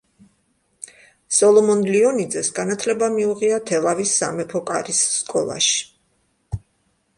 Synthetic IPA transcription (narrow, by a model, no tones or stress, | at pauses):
sɔlˠɔmɔnliɔnid̪zɛsɡanat̪ʰlɛbamiuʁiat̪ʰɛlˠavisːa̰mɛpʰɔkʼa̰ɾisːkʼɔ̰lˠa̰ʃi̥